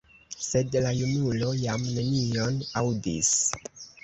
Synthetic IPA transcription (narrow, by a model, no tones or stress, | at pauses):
se̞dlajunulo̞jamne̞nio̞nawdḭs